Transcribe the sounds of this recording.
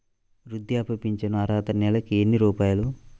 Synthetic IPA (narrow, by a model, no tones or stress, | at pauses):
ɾud̪jaːpɐpiɲt͡ʃɐnuɐɾaːt̪ɐnɛlɐkienːiɾuːpaːjɐlu